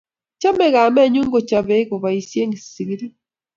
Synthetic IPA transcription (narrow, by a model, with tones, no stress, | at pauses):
t͡ʃa˦me˨ɣa˨me˦˨ɲu˦ŋɡo˨t͡ʃa˨βe˦ɣo˨βa˨i˨sje˦ŋi˨si˨βi˦ɾi˦